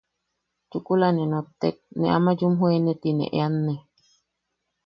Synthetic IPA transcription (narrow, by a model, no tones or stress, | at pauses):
t͡ʃukulanenot̪ːek̚nḛʔa̰mad͡ʒumɦoenet̪inḛ̃ʔeanːe